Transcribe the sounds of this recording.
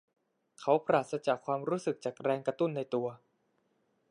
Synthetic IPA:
kʰa˦˥wpɾaː˨˩t̪̚sa˧t͡ɕaː˨˩kʰwaː˧mɾuː˦˥sɯ˨˩k̚t͡ɕaː˨˩k̚ɾɛː˧ŋkɾa˧t̪u˥˩nːa˧jt̪u˧ɐ

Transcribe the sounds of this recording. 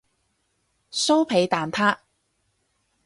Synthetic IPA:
so˥wpʰe˨˧jt̪aː˨˩nt̪ʰaː˥

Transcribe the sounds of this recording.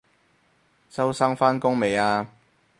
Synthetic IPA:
sɐ˥wsaː˥ŋfaː˥nkʊ˥ŋme˨jaː˧

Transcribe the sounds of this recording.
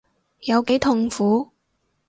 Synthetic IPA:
jɐ˨˧wke˨˥jt̪ʰʊ˨ŋfuː˨˥

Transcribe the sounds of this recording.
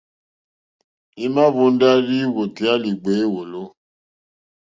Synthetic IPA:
i˦ma˦βu˦n˦da˦ɾi˦wo˨ti˨˦a˦li˨ɡ͡be˨˦wo˨lo˦

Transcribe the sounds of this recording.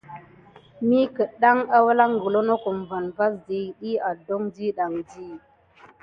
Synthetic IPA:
mi˦kə˨ɗa˦ŋa˦wa˦la˦ŋɡə˨lo˦no˦ku˨mva˨nva˦sdi˨ɗi˦a˨do˦ŋdi˦ɗa˨ŋdi˦

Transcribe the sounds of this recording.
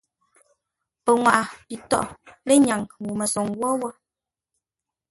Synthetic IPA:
pə˨ŋwa˨ʔa˨pi˨tɔ̰˦ʔle˦ɲa˨ŋwu˨mə˨sɔ˨ŋwɔ˦wɔ˦

